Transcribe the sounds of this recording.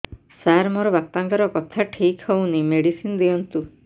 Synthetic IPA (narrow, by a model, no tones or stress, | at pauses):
saɾmoɾɔbapaŋkɔɾɔkɔt̪ʰaʈʰikhownimeɽisinɔd̪iɔnt̪u